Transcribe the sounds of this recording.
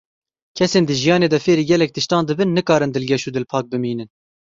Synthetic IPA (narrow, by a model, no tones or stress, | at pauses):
kʰɛseːnd̪ɨʒijɑːneːd̪ɛfeːɾiːɡʲɛlɛk̚t̪ɨʃt̪ɑːnd̪ɨbɨnːɨkɑːɾɨnd̪ɨlɡʲɛʃuːd̪ɨlpʰɑːk̚bɨmiːnɨn